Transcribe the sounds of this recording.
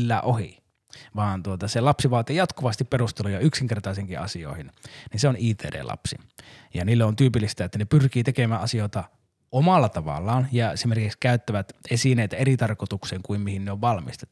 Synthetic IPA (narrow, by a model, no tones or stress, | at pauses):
lːæːʔohḭ | ʋɑːnt̪uot̪ɑselɑpsiʋɑːt̪ijɑt̪kuʋɑst̪ipperust̪elujɑyksiŋkert̪ɑˑseŋkiɑ̰sio̰ˑihinninseoniːt̪ḛːdḛːlɑ̰psḭ | jɑniːlːeont̪yːpilːist̪æet̪ːænepyrkiːt̪ekemæːʔɑsioˑet̪ɑ | ʔomɑlːɑt̪ɑʋɑ̰lːˑɑːnjɑesimerkikskæˑyt̪ːæʋæt̪esineˑit̪æerit̪ɑrkot̪ukseːŋkuimmihinneoʋʋɑlmist̪e̥t̪ːu̥